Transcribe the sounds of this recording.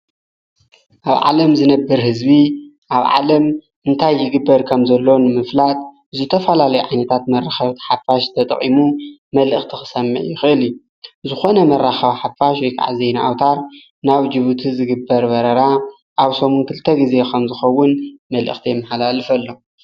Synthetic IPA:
ʔaβʕa̰lɐmzɨnɐbːɨɾhɨzbi | ʔaβʕa̰lɐm | ʔɨnt̪ʰajːɪɡɨbːɐɾkʰɐmzɐlːo̞nɨmɨflat̪ | zɨt̪ʰɐfɐlalɐjuʕajnɐt̪ʰat̪mɐrːaxɐβt̪ʰħafaʃt̪ʰɐt̪ʼɐ̰qʼimumɐlʔɨxt̪ʰixɨ̥sɐmːɨ̰ʕjɪxɨʔɨlju | zɨxo̞nɐmɐrːaxɐβħafaʃwɔjkʰa̰ʕa̰zejnaʔawt̪ʰaɾ | naβd͡ʒɨβut̪ʰizɨɡɨbːɐɾbɐɾɐɾa | ʔaβsomunkʰɨlt̪ʰɐɡize̞kʰɐmzɨxɐwːʊnmɐlʔɨ̰xt̪ʰijɛmːɐħalalɨfɐlːo̞

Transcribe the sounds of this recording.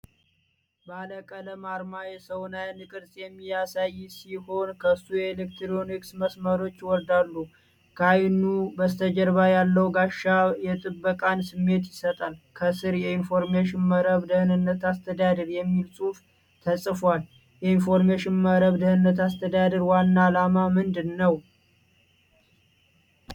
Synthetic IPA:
baləkʼələmaɾmajɛsəwnajnɨkʼɨɾsʼjɛmːijasajːsiho̞nkʰəɨsːujɛlekt̪ʰɾoniksməsməɾo̞t͡ʃːwɔɾd̪alːu | kʰajnubəst̪ʰəd͡ʒəɾβajalːəwɡaʃːajɛt̪ʼɨbːəkʼansɨmːe̞t̪jɪsət̪ʼalkʰəsɨɾjɛinfo̞ɾmeʃɪnməɾəβd̪əhɨnɨnːət̪ast̪ʰəd̪ad̪əɾjɛmːilsʼuf | t̪ʰəsʼfwal | jɛinfo̞ɾmeʃɪnməɾəβd̪əhɨnːət̪ast̪ʰəd̪ad̪əɾwanːaːlamamɨnd̪ɨnːəw

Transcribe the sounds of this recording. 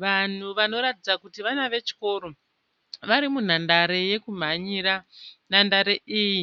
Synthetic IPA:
ʋan̤uʋano̞ɾatid͡zakutiʋanaʋe̞t͡ʃi̥ko̞ːɾo̞ | ʋaɾimun̤andaɾe̞je̞kum̤aɲiɾan̤andaɾe̞ʔiːji

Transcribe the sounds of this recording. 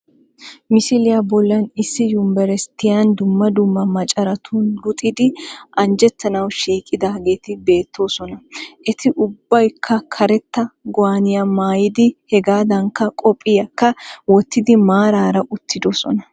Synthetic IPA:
mɪsɪlɪjabɔlːɐnɪsːɪjʊmbɛɾɛst̪ːɪjɐnd̪ʊmːɐd̪ʊmːɐmɐt͡ʃʼɐɾɐt̪ʰuːnlʊt̪ʼɪd̪ɪʔɐnd͡ʒɛt̪ːɐnɐwʃiːkʼːɪd̪ɐɡeːt̪ɪbe̞ːt̪ːo̞ːsɔnɐʔɛt̪ɪʔʊbːɐjkʰːɐkʰɐɾɛt̪ːɐɡɔaːnɪjamaːjɪd̪ɪhɛɡaːd̪ɐŋkːɐkʼɔpʼːɪjɐkːɐwɔt̪ːɪd̪ɪmaːɾaːɾɐʔʊt̪ːɪd̪ɔsɔ̰nɐ

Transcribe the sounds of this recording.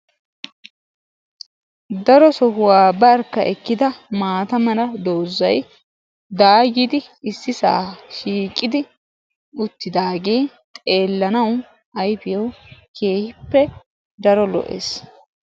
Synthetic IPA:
d̪ɐɾɔsɔhʊwaːbɐɾkːɐʔɛkːɪd̪ɐmaːt̪ɐmɐlɐd̪oːzːɐj | d̪aːɡid̪ɪ | ɪsːɪsa̰ːʃiːkʼːɪd̪ɪ | ʊt̪ːɪd̪aːɡe̞ː | t̪ʼe̞ːlːɐnɐw | ɐjfɪjɔwkʰe̞ːhɪpːɛ | d̪ɐɾɔlɔ̰ʔḛːs

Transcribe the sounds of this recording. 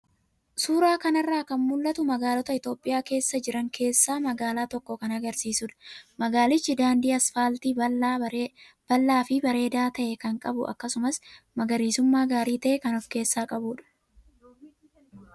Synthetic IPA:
suːɾaːkɐnɐrːaːkɐnmʊlːɐt̪ʊmɐɡaːlɔt̪ɐɪt̪o̞ːpʼːɪjaːke̞ːsːɐd͡ʒɪɾɐŋkʰe̞ːsːaːmɐɡaːlaːt̪ɔkːɔkɐnɐɡɐɾsiːsʊᶑɐ̥mɐɡaːlɪt͡ʃːɪd̪aːnd̪iːɐsfaːlt̪iː | b̥ɐlːaːfɪbɐɾe̞ːd̪aːt̪ɐʔɛkɐŋkʼɐbʊɐ̰kːɐsʊmɐsmɐɡɐɾiːsʊmːaːɡaːɾiːt̪ɐʔɛkɐnɔfke̞ːsːaːkʼɐbuːᶑɐ̥

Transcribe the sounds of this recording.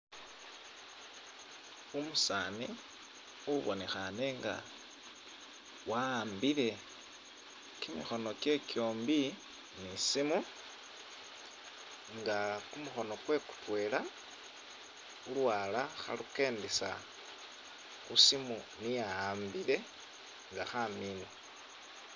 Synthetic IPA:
umusaːni | uβone̞xane̞ŋɡa̰ | waːmbile̞ | kimixo̞no̞ke̞kjo̞ːmbi | nisimu | ŋɡakumuxo̞no̞kwe̞ku̥twe̞ːla | ulwaːlaxa̰luke̞ːndesa | xusimu | nijaːmbile̞ | ŋɡaxamino

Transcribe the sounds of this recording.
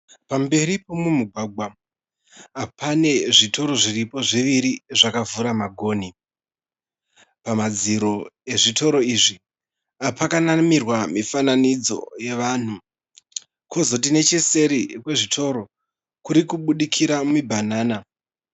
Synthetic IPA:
pambe̞ɾipomumuɡʱwaɡʱwa | apʰane̞ʐito̞ɾo̞ʐiripo̞ʐiʋiɾiʐakavuɾamaɡʱo̞ːni | pamad͡ziɾo̞e̞ʐitʰo̞ɾo̞iʐi | apʰakanamirwamifananid͡zo̞̰je̞ʋan̤u | ko̞zo̞t̬ine̞t͡ʃese̞ɾikwe̞ʐitʰo̞ɾo̞ | kuɾikuɓuɗikʰiɾamibʱanaːna

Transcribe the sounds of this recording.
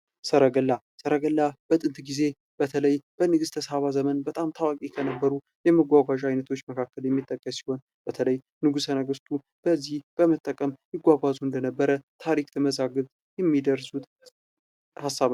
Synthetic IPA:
səɾəɡəlːa | səɾəɡəlːab̥ət̪ʼɨnt̪ʼɡize̞ | b̥ət̪ʰələjb̥ənɨɡɨst̪ʰəsaβazəmənbət̪ʼamt̪ʰawakʼikʰənəbːəɾu | jɛməɡʷaɡʷaʒajnət̪ʰo̞t͡ʃːməkʰakːəljɛmːit̪ʼːəkʼːəsi̥ho̞n | b̥ət̪ʰələj | nɨɡusənəɡɨst̪ʰu | b̥əzːihb̥əmət̪ʼːəkʼəmjɪɡʷaɡʷazund̪ənəbːəɾət̪ʰaɾikt̪ʰəməzaɡɨlt̪ʼ | jɛmːid̪əɾsut̪ | hasːaβ

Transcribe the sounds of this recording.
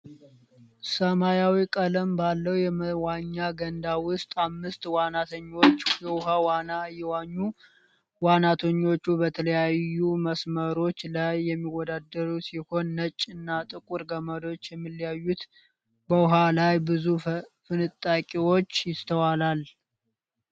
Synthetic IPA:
səmajawikʼələmbalːəwjɛmwaɲːaɡənd̪awʊst̪ʼamːɨst̪ʼwanat̪ʰəɲːo̞t͡ʃːjɛwʊɦawanajɛwaɲːu | wanat̪ʰəɲːo̞t͡ʃːubət̪ʰələjajuməsməɾo̞t͡ʃːlajːɛmːiwɔd̪ad̪əɾusiho̞nːət͡ʃʼːɨnːat̪ʼɨkʼuɾɡəməd̪o̞t͡ʃːjɛmːɨlːijajːut̪ | bəwʊɦalajbɨzufɨnɨt̪ʼːakʼiwo̞t͡ʃːjɪst̪ʰəwalal

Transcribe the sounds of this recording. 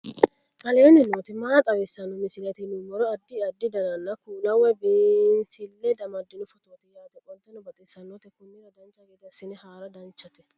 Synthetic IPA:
ʔɐleːnɪnoːt̪ɪmaːt̪ʼɐwɛsːɐnːɔmɪsɪlɛt̪ɪnʊmːɔɾɔɐd̪ːɪɐd̪ːɪd̪ɐnɐnːɐkuːlɐwːɛbeːnsɪlːɛd̪ɐmɐd̪ːɪnʊfɔt̪oːt̪ɪjaːt̪ɛkʼɔlt̪ɛnɔbɐt̪ʼɪsːɐnːɔt̪ɛkʊnːɪɾɐd̪ɐnt͡ʃːɐɡed̪ɪɐsɪnɪhaːɾɐd̪ɐnt͡ʃːɐt̪ɛ

